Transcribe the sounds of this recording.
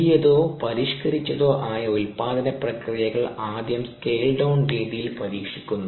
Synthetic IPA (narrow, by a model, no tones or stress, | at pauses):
ijɐðoːpɐɾiʂkɐɾit͡ɕːɐðo̞ːʔaːjɐulpaːd̪ɐnɐprɐkrijɐɣɐɭaːd̪jɐmskeːlɖɐwnriːðijilpɐɾiːkʂi̥kʲːunːu